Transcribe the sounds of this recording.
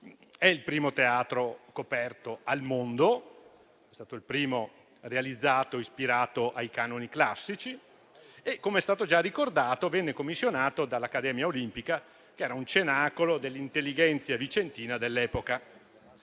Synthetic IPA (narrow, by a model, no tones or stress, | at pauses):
ɛilpɾiːmot̪eaːt̪ɾokopɛrt̪oalmond̪o | ɛst̪aːt̪oilpɾiːmo | realid̪zːaːt̪oispiɾaːt̪oʔajkanoniklasːit͡ʃi | ekːomeɛst̪aːt̪od͡ʒarːikord̪aːt̪ovɛnːekomːisːjonaːt̪od̪alːakːad̪ɛːmjaolimpika | keɛːɾaunt͡ʃenaːkolod̪elːint̪elːid͡ʒɛnt̪sjavit͡ʃent̪iːnad̪elːɛːpoka